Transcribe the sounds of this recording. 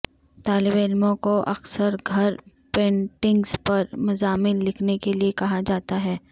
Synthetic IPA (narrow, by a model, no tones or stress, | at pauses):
t̪aːlɪbeːlmõkoʔɐ̰ksəɾɡʱɐɾ | pẽːɳʈɪ̃ŋɡspɐɾmʊzaːmɪnlɪkʰnekeliekɐɦad͡ʒaːt̪aɦɛː